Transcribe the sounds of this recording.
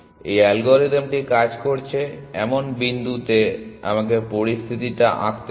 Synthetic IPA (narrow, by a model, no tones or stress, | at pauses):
ḛjɛlɡoɾid̪emʈikad͡ʑkoɾt͡ɕʰeɛ̰monbind̪ut̪ea̰makepoɾist̪ʰit̪iʈaʔa̰kt̪